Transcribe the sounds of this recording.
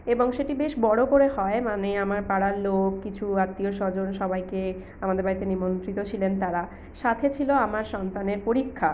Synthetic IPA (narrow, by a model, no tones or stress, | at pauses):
eboŋʃeʈibeʃbɔɽokoɾeɦɔemaneamaɾpaɽaɾlokkːit͡ɕʰuat̪ːioɾʃɔd͡ʑonʃɔbajke | amad̪eɾbaɾit̪enimont̪ɾit̪ot͡ɕʰilent̪aɾa | ʃat̪ʰet͡ɕʰiloamaɾʃɔnt̪aneɾpoɾikʰːa